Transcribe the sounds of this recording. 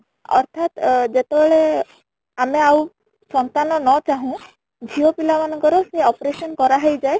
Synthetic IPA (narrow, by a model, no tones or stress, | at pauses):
ɔ̰ɾt̪ʰat̪d͡ʒet̪ebeɭe | ameaw | sɔnt̪anɔnɔt͡ʃaɦũ | d͡ʒʱiɔpilamanɔŋkɔɾɔseɔpɾesɔnkɔɾaɦejd͡ʒae